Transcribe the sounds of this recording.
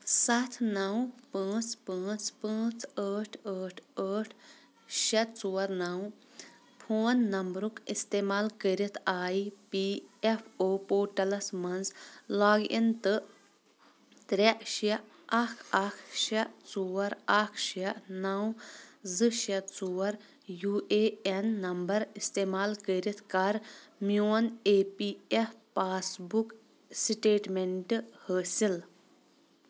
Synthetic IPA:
sɐt̪ʰnɐwpə̃ːt͡spə̃ːt͡spə̃ːt͡səːʈʰəːʈʰəːʈʰ | ʃɐt͡suːɐɾnaw | pʰoːnːɐmbɾukist̪eːmaːlkəɾit̪ʰaːipiepʰoːpoːʈɐlɐsmɐnzlaːɡḭnt̪ɨ | t̪ɾɐʔʃɐ | ɐkʰɐkʰʃɐt͡suwɐɾakʰʃɐnawzɨʃɐt͡suwɐɾ | juːʔeːenːɐmbɐɾist̪eːmaːlkəɾit̪ʰkaɾmuɐneːpiefʰpaːsbuk | siʈeːʈmeɳʈhəːsil

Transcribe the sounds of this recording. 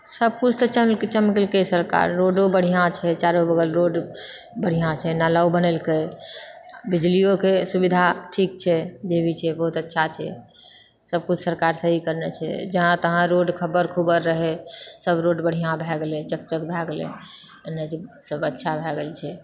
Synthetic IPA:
səb̚kut͡ʃʰt̪ət͡ʃəmlket͡ʃəmkelkesəɾka̰ɾːoɖobəɽ̤ijãt͡ʃʰɛt͡ʃaɾobəɡəlɾoɖ | bəɽ̤ijãt͡ʃʰɛnalaubənelke | bid͡ʒlijokesubid̪ʱaʈʰik̚t͡ʃʰɛd͡ʒebʱit͡ʃʰɛbəɦut̪ətːʃʰat͡ʃʰɛ̰ | səb̚kut͡ʃʰsəɾkaɾsəɦikəɾnet͡ʃʰɛ̰d͡ʒəɦãt̪əɦãɾoɖkʰəbəɾkʰubəɾːəɦɛsəbɾoɖbəɽ̤ijãbʱɛɡelẽt͡ʃək̚t͡ʃəkbʱɛɡlḛ̃ | əned͡ʒsəbətːʃʰabʱɛɡelt͡ʃʰɛ

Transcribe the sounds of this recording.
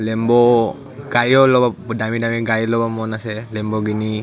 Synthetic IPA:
lɛmbɔ | ɡ̥ajɔlɔbadamidamiɡajɔlɔbamɔnasɛlɛmbɔɡini

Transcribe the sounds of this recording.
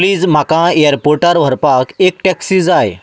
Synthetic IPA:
liːd͡zm̤akãeəɾpoɾʈaɾʋ̤ʱəɾpakek̚ʈɛksiːd͡zaj

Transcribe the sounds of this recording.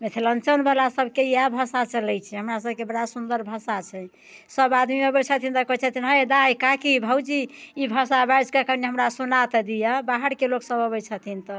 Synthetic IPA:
met̪ʰelənt͡ʃənbəlasəbʱkeiabʱəsat͡ʃəlɛjt͡ʃʰɛɦəmɾasəb̚kebəɽasund̪əɾbʱəsat͡ʃʰɛ | səbad̪miəbət͡ʃʰət̪ʰint̪əkət͡ʃʰət̪ʰinɦəjd̪ajkakibʱəwd͡ʒiibʱəsabajd͡ʒkakəɾneɦəmɾasunat̪d̪ijəbaɦəɽkeloksəbʱəβət͡ʃʰət̪ʰint̪ə

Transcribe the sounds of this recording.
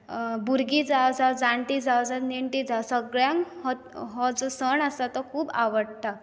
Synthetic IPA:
buɾɡid͡zawd͡zawd͡zaɳʈid͡zawd͡zaniɳʈid͡zasəɡɭjãŋɦɔ | ɦɔd͡zɔsəɳəsat̪ɔkʰuːba̰ʋəɽt̪a

